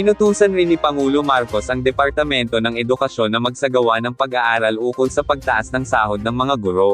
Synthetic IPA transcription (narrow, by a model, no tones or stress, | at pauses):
pɪnʊt̪uːsɐnɾɪnipɐŋuːlomaɾko̞sʔɐŋd̪ɛpɐɾt̪ɐmɛnt̪o̞nɐŋɛd̪ʊkɐʃjo̞nːɐmɐɡsɐɡɐwanɐŋpɐɡɐʔaːɾɐlʔuːkolsɐpɐɡ̚t̪ɐʔasnɐŋsaːhod̪̚nɐŋmɐŋaɡʊɾo̞